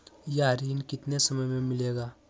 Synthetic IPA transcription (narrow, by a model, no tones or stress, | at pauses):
jaɾinkɪt̪nesəməjmemɪleɡa